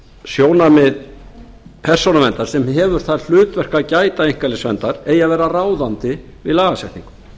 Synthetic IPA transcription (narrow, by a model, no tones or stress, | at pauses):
sjoːwnamɪð | pʰɛr̥sownavɛnt̪aɾ̥sɛmɦɛvʏɾ̥θaðl̥ʏːt̪vɛr̥kacaːjt̪aejŋkalɛsvɛnt̪aɾeːjaðvɛːɾaraːwðant̪ɪ | vɪðlaːɣasɛht̪niŋkʏ̥m